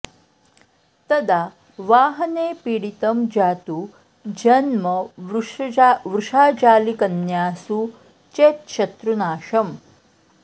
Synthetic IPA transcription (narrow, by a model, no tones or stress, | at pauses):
t̪ɐd̪a | ʋaːɦɐneːpiɽit̪ɐmd͡ʒaːt̪u | d͡ʒɐnmɐʋ | ʋɾuʂaːt͡ʃaːlikɐnjaːsu | t͡ʃeːt̪̚ʃɐt̪ɾunaːʃɐm